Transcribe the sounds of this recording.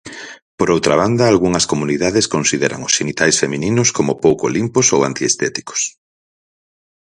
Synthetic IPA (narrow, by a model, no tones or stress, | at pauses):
poɾowt̪ɾaβ̞and̪ɐalɣuŋɐskomuniðaðeskonsiðɛɾɐ̰ŋʊsenit̪ajsfeminĩnʊskomʊpowkolimposowa̰nt̪iest̪ɛt̪i̥ko̥s